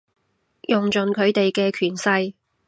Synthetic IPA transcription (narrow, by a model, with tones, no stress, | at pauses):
jʊ˨ŋt͡ʃɵ˨nkʰɵ˨˧ɥt̪e˨jkɛː˧kʰyː˨˩nsɐ˧j